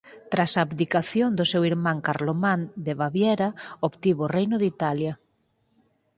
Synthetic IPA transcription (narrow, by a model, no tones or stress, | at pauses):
t̪ɾasabd̪ikaθjond̪ʊsewiɾmãŋkaɾlomãnd̪eβaβjɛɾaopt̪iβorejnʊðit̪alja